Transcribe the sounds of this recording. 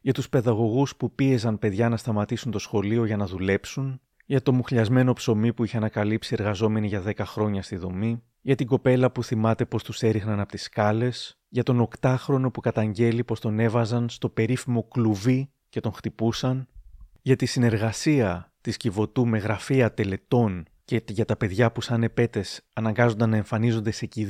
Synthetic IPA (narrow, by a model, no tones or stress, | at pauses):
ʝɐt̪uspe̞ðɐɣo̞ɣuspupie̞zɐnpe̞ðʝɐnɐst̪ɐmɐt̪isunt̪o̞sxo̞lio̞ʝɐnɐðule̞psun | ʝɐt̪o̞muxʎɐzme̞no̞pso̞mipuiçe̞ɐnɐkɐlipsie̞ɾɣɐzo̞me̞niʝɐðe̞kɐxɾo̞ɲɐst̪iðo̞mi | ʝɐt̪iɡo̞pe̞lɐpuθimɐt̪e̞po̞st̪use̞ɾiɣnɐnɐpot̪iskɐle̞s | ʝɐt̪o̞no̞kt̪ɐxɾo̞no̞pukɐt̪ɐɲɟe̞lipo̞st̪o̞ne̞vɐzɐnst̪o̞pe̞ɾifimo̞kluvi | ce̞t̪o̞ŋxt̪ipusɐn | ʝɐt̪isine̞ɾɣɐsiɐt̪iscivo̞t̪ume̞ɣɾɐfiɐt̪e̞le̞t̪o̞n | ceʝɐt̪ɐpe̞ðʝɐpusɐne̞pe̞t̪e̞sɐnɐŋɡɐzo̞nd̪ɐnːɐe̞ɱfɐnizo̞nd̪e̞se̞ci